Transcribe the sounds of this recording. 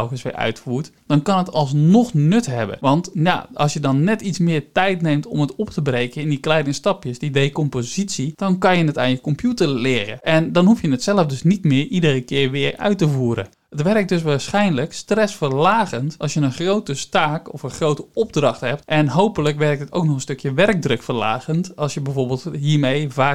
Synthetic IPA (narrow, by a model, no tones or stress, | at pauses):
ɛlkəsʋɪ̰ɹœ̰ɥtfuːɹtd̥ɔnkɑnətɑlˠs̬nɔxnʏtɦɛbə̰ʋɑntja̰ʔɑ̰lˠsjədɔnːɛtitsmɪːrtɛjtnejmtɔmətɔptʰəbrejkəɪndiklɛjdəstɑpjəsdidejkɔmpozisid̥ɔnkɑnjənəta̰ːnjəkɔmpjutərlɪːrə̰ʔɛndɔnɦufjənətsɛləfdøsnitmɪːʔidərəkɪːɹʋɪːrœ̰ɥtəvuːɾə̰n | ətʋɛrək̚døsʋaːsxɛjnləkstrɛsfərlaːɣəntɑlˠsjənəχrowtəstaːkɔfənxrowtəɔb̚drɑxthɛp̚tʔɛnɦowpələkʋɛrk̚tətowk̚nɔxənstøkjəʋɛrk̚drøkfərla̰ːɣəntɑlˠsjəbɛjvoːɹbɪːlˠtɦiəɹmejvaː